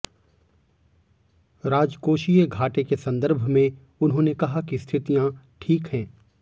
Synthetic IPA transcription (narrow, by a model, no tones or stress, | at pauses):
ɾaːd͡ʒkoːʃijeɡʱaːʈekesɐ̃nd̪əɾbʱmẽ | ʊnɦõːnekɐɦakist̪ʰɪt̪ijã | ʈʰiːkɦɛ̃ː